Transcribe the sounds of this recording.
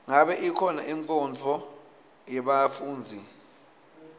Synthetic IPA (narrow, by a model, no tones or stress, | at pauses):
ŋaɓɛʔikʰɔnaʔiŋǀɔnd͡ɮʱɔ | jɛɓafuːnd͡zʱi